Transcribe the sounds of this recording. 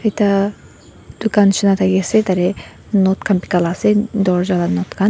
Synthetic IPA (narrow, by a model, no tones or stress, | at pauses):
et̪a | d̪̥ukanʃinat̪ʰaɡeset̪aɾe | nɔt̪kʰanpi̥kalased̪ɔɾd͡ʒalanɔt̪kʰan